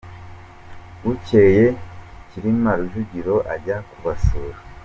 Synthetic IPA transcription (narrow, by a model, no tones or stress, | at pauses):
uce̞je̞ciɾimaɾuʒuɟiɾo̞ʔa̰ɾɟakuβasuːɾa